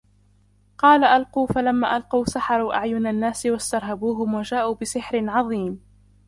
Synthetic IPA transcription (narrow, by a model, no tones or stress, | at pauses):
qɑːlaʔalquːfalamːa̰ːʔalqɑwsaħɑɾˤuːʔaʕjʊnanːaːsɪwast̪ɑɾˤɦabuːɦʊmwad͡ʒaːʔuːbɪsɪħɾɪnʕɑðˤiːm